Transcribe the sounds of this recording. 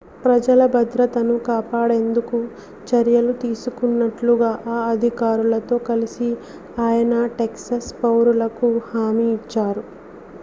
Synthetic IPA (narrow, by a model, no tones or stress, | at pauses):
pɾɐd͡ʒɐlɐbɐd̪ɾɐt̪ɐnukaːpaːɽe̞nd̪uku | t͡ʃɐɾjɐlut̪iːsukunːɐʈluɡaːʔaːɐd̪ʱikaːɾulɐt̪o̞ːkɐlisi | aːjɐnɐʈeksɐspɐwɾulɐkuhaːmiːt͡ʃːaːɾu